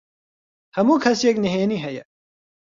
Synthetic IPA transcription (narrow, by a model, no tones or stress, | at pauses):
hɐmukʰɐsjekniɦeːniɦɐjɐ̰